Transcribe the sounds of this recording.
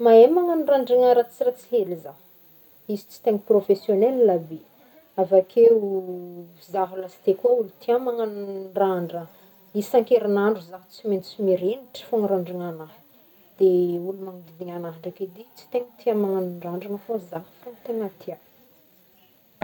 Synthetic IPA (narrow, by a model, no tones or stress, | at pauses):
maemaŋanraɳɖ͡ʐiŋaɾat͡siɾat͡si̥ɦeliza | izi̥t͡si̥t̪eŋəprofesjonellabi | avakʰeu | zaɦulasi̥t̪ekʲaulut̪ʰiamaŋanɳraɳɖ͡ʐə | isaŋkeɾinaɳɖ͡ʐuzaɦt͡siment͡simeɾeniʈ͡ʂə̥foŋɾaɳɖ͡ʐiŋanaɦ | d̪̥eulumaŋd̪id̪iŋanaɦɳɖ͡ʐaked̪it͡si̥t̪eŋət̪iamaŋaniɳɖ͡ʐaɳɖ͡ʐaŋəfozaɦfont̪eŋat̪ʰian